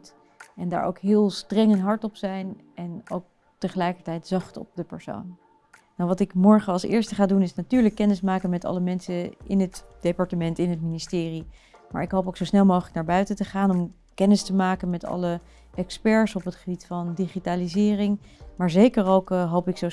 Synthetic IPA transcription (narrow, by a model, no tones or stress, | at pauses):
t | ɛnda̰ɹʔo̰wkɦɪːlˠstrɛŋɛnɦɑɹtɔpsɛjnʔɛno̰wk̚ | təχəlɛjkəɹtɛjtz̥ɑχtɔ̰p̚dəpəɹso̰wn | nawʋɑtɪkmɔɹχəɑlˠsɪ̰ːɹstəχaːdunɪsnatyːɹləkːɛnəsmaːkənmɛtɑ̰ləmɛnsəʔɪ̰nɦətd̥epɑɹtəmɛntɪnətministɪːri | ma̰ːɹɪkɦowpowksowsnɛlˠmowχələknaːɹbœɥtətəχaːnɔm | kɛnəstəmaːkənmɛtɑ̰lə | ɛkspɛɹsɔpətχəbitfɑndiχitaːlizɪːrɪŋ | maːɹzejkəɹowkɦowpɪkso